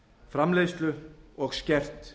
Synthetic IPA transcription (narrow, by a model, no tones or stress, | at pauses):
fɾamlejst̪lʏɔɣscɛr̥t̪